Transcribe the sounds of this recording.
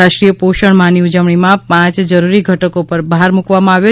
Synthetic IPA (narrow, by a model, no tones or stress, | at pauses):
aʃʈɾijəpoʃəɳmãniud͡ʒəʋɳ̃imãpãt͡ʃd͡ʒəɾuɾiɡʱəʈəkopəɾbəɦaɾmukʋamãaʋjo